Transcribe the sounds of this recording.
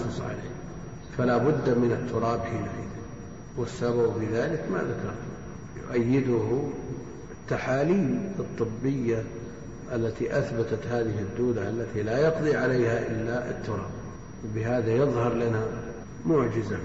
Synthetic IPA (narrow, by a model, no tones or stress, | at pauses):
ʊsˤʕa̰lḛː | falabʊd̪ːmɪnɪt̪ʰːʊɾˤɑːbħiːlaħḭːd̪ | wɪsːababfiðaːlɪkma̰ðakɑ̰ɾˤt̪a | jʊ̰ʔajːɪd̪ʊh | t̪ːaħaːliːmɨt̪ˤːɨbːɪjːa | ʔalːat̪iʔaθbat̪at̪haːðɪɦɪd̪ːuːd̪aʔalːat̪ilajɑqd̪ˤiʕalajhaʔɪlːaʔɪ̰t̪ːʊɾˤɑ̰ːb̚ | wabɪɦaːðajɨðˤhɑɾˤlana | mʊʕd͡ʒɪza